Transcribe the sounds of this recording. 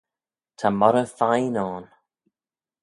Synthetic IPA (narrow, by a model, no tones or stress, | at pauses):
tʰamɔɾəfajnɔːn